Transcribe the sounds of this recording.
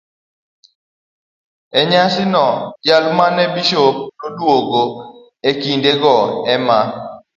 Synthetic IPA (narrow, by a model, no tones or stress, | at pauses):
ɛɲaʃɪnɔjalʊmanɛbiʃopnodwoɡo | ekindeɡɔɛma